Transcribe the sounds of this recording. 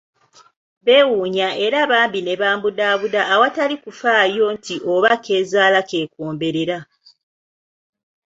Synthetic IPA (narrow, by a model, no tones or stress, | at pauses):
βe̞wuːɲae̞ɾaβaːmbine̞βaːmbudaːβudaːwatalikufaːjo̞ntʰiʔoβake̞ːzaːlake̞ːkoːmbe̞ɾeɾa